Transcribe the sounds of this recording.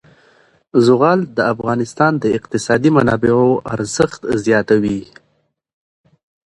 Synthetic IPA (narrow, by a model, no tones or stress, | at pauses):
zʊɣɑld̪əafɣɑnɪst̪ɑnd̪əɪqt̪ɪsɑd̪imanɑbɪoʔaɾzəxt̪zjɑt̪awi